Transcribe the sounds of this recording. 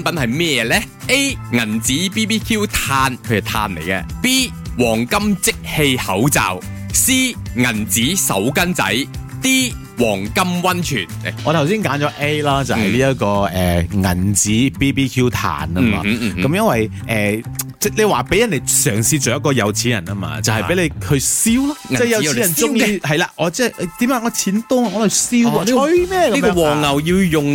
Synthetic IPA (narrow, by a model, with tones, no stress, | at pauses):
npɐ˨˥nhɐ˨jmɛː˥jɛː˧lɛː˥ | ʔe˥jŋɐ˨˩nt͡siː˨˥piː˥piː˥kʰuː˥wt̪ʰaː˧nkʰɵ˧˨˩t̪ʰa̰ː˧nlḛ˨˩jkɛ̰ː˧piː˥ | wɔː˨˩ŋkɐ˥mt͡sɪ˥k̚he˧jhɐ˨˥wt͡sa̰ː˨w | siː˥ŋɐ˨˩nt͡siː˨˥sɐ̰˨˥wkɐ˥nt͡sɐ̰˨˥jt̪iː˥ | wɔː˨˩ŋkɐ˥mwɐ˥nt͡ʃʰyː˨˩nɔː˨˧t̪ʰɐ˨˩wsiː˥nkaː˨˥nt͡ʃɔː˨˧ʔe˥jlaː˥t͡sɐ˨hɐ˨jliː˥jɐ˥t̚kɔː˧ɛː˨ŋɐ̰˨˩nt͡siː˨˥piː˥piː˥kʰjuː˥t̪ʰa̰ː˨˩nɐ˧ma̰ː˧kɐ˨˦mjɐ˥nwɐ˨j | ʔɛː˨t͡sɛː˥˩le˨˧jwaː˨pe˨˥jɐ˨˩nːe˨˩jsœː˨˩ŋsiː˧t͡ʃo˨˩jɐ˥tkɔː˧jɐ˨˧wt͡sʰiː˨˥njɐ˨˩nɐː˥ma̰ː˧t͡sɐ˨whɐ˨˩e˨˥le˨˧jhɵ˨˧ɥsiː˥wlaː˥ɛ˥˩˥jɐ˨wʰi˦˥ɐ˨nt͡sʊ˥ŋ˧hɐ˨˩jlaː˧ʔɔː˨˧t͡sɛː˥˩ʔɛ˧˩t̪iː˨˥maː˨˧ŋɔː˨˧t͡sʰiː˨˥nt̪ʊ˥ŋa˨ŋɔː˨˧lɐ˨˩wsiː˥wwo˧mɛː˥kɐ˦i˥mɔ˥wɔː˨˩ŋːɐ˨wjiː˧wjʊ˨ŋ